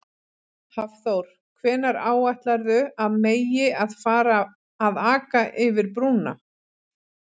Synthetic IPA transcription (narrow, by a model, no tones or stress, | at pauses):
havθowɾ̥ | kʰvɛːnaɾaːwajht̪laɾðʏaðmeːjɪaðfaːɾaː | ðaːkaʔɪvɪɾpɾuːna̰